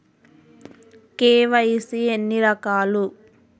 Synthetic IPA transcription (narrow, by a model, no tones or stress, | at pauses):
keːʋɐjisienːiɾɐkaːlu